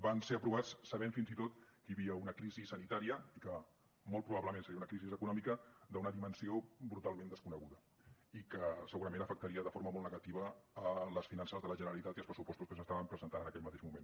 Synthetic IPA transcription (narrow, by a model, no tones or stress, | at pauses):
banseəpɾuβat͡ssəβɛɱfinzit̪ot̪kəjəβiəunəkɾizisːənit̪aɾiəikə | molˠt̪pɾuβaβləmẽnsəɾiəunəkɾizizəkunɔmikəd̪əunəðimənsiobɾut̪alˠmẽnd̪əskunəɣuðə | ikəsəɣuɾəmẽnəfək̚t̪əɾiəðəfoɾməmolˠtnəɣɐt̪iβəːləsfinansəzðələʒənəɾəlit̪at̪ilˠspɾəsupɔst̪uskəs̬əst̪aβəmpɾəzənt̪anənəkɛʎmət̪eʒmumen